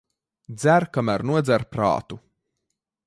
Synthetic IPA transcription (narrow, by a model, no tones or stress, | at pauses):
d̪zæɾkamæɾnuɔd̪zæɾpɾa̰ːt̪u